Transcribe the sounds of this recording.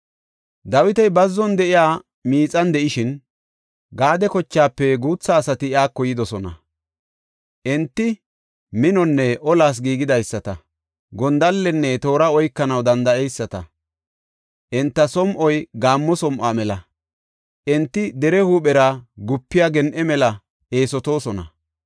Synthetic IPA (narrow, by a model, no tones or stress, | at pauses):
d̪ɐwɪt̪ɐjbɐzːɔnd̪ɛʔɪjaː | miːt͡sʼɐnd̪ɛʔɪʃɪn | ɡaːd̪ɛkɔt͡ʃːaːpːɛɡuːt͡sːaːsɐt̪ɪjaːkːɔjɪd̪ɔsɔnɐ̰ | ʔɛnt̪ːɪ | mɪnɔnːɛʔɔlaːs̬ɡiːɡɪd̪ɐjsːɐt̪ɐ | ɡɔnd̪ɐlːɛnːɛt̪o̞ːɾɐɔjkːɐnɐwd̪ɐnd̪ɐɛjsːɐt̪ɐ | ʔɛnt̪ːɐsɔmʔɔjɡaːmːɔsɔmʔaːmɛlɐ | ʔɛnt̪ːɪd̪ɛɾɛhuːɓɛɾaɡʊpːɪjaɡɛnʔɛmɛlɐ | e̞ːsɔt̪o̞ːsɔnɐ̰